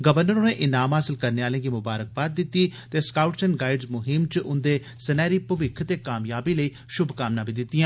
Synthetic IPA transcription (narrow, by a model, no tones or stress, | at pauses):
ɡəʋəɾnəɾoːneːʔɪnaːmɦaːsɪlkəɾneːaːlẽːɡiːmʊbaːɾək̚baːd̪̚ːɪt̪ːiːt̪eːskaːʊʈsənɡaːɪɖzmʊɦɪmt͡ʃʔʊnd̪eː | sənɛːɾiːpəʋɪkʰt̪eːkaːmjaːbiːləiː | ʃʊbʱkaːmnãːbiːd̪ɪt̪ːijãː